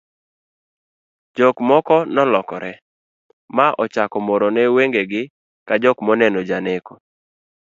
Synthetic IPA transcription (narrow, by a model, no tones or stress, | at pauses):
d͡ʒɔkmɔkɔnɔlɔkɔɾɛ | maʔɔt͡ʃakɔmɔɾonɛweŋɡeɡɪ | kad͡ʒɔkmɔnɛnod͡ʒaneko